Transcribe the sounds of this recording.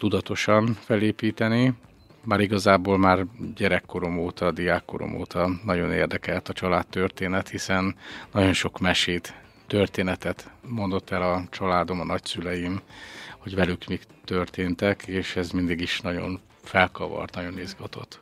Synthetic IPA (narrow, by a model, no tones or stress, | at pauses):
t̪ud̪ɒt̪o̞ʃɒɱfɛleːpiːt̪ɛni | maːɾiɡɒzaːboːlmaːrɟɛɾɛkːo̞ɾo̞moːt̪ɒd̪ijaːkːo̞̰ɾo̞̰mo̰ːt̪ʰɒnɒɟo̞nḛːrd̪ɛkɛlt̪ɒt͡ʃɒlaːt̪ːørt̪eːnɛt̪hisɛnːɒɟo̞nʃo̞kmɛʃeːt̪ː | ørt̪eːnɛt̪ɛt̪mo̞nd̪o̞t̪ːɛlɒt͡ʃɒlaːd̪o̞mɒnɒcsylɛjimho̞ɟvɛlykmikt̪ørt̪eːnt̪ɛkeːʃɛzmind̪iɡiʃnɒɟo̞̰n | fɛlkɒvɒ̰rt̪nɒɟo̞nizɡɒt̪o̞̰t̪ː